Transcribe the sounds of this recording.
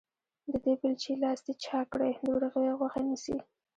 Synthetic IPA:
d̪əd̪ebɪlt͡ʃelɑsd̪et͡ʃɑkɽajd̪əwɾaɣəwaɣwaxanisḭ

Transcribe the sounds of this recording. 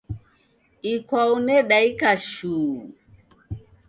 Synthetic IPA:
ikwaunɛɗaikaʃuː

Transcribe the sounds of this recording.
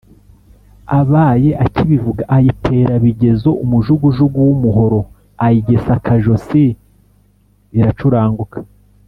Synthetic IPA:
aβaːje̞ʔaciβivuɡaʔajitʰe̞ːɾaβiɟe̞zo̞ʔumuʒuɡuʒuɡuwumuɦo̞ɾo̞ | ajiɟe̞sakʰaʒo̞si | iɾat͡ʃuɾaːŋɡukḁ

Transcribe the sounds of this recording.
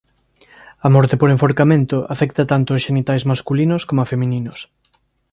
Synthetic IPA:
ɐmɔɾt̪epoɾeɱfoɾkamẽnt̪ʊʔafɛkt̪at̪ant̪oːsʃenit̪ajzmaskulinoskomoafemĩninos

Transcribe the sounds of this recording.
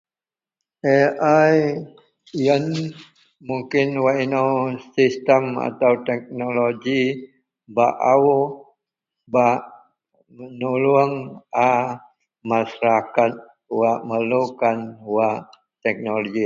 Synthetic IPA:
eaj | jən | muŋkɪnwaʔinawsist̪əma̰t̪awt̪ɛk̚noloɡi | baʔawu | baʔ | mənuluəŋa | masaɾakat̪̚ | waʔməlukanwaʔ | t̪ɛk̚noloɡi

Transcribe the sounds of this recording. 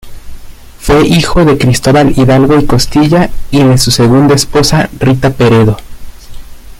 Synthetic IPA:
fwe̞ʔixo̞ðe̞kɾist̪o̞βaliðalɣo̞iko̞st̪iʝaiðe̞suse̞ɣund̪aespo̞sarit̪ape̞ɾe̞ðo̞

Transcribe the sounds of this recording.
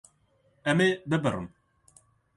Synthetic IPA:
ɛmeːbɨbɨrɨ̰m

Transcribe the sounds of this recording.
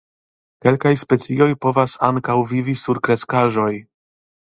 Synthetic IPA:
ke̞lkajspe̞t͡sio̞jpo̞vasaŋkawvivisuɾkɾeskaʒo̞j

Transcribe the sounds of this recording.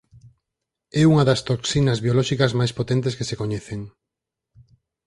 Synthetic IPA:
ɛuŋɐðɐst̪oksinɐzβjolɔʃikɐzmajspot̪ɛ̃nt̪̬eskesekoɲɛθeŋ

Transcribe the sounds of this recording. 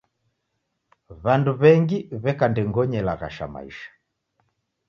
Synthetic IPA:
βanduβɛŋɡiβɛkandɛŋɡɔɲɛlaɣa̰ʃa̰ma̰ḭʃḁ

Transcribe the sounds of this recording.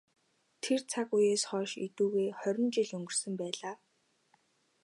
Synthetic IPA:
t̪ʰer̥t͡sʰakujeːsχɔːʃḭt̪uːɣeːχœɾʲɪ̆nt͡ɕiɮɵŋɡɵ̆r̥sɵ̆mpæːɮaː

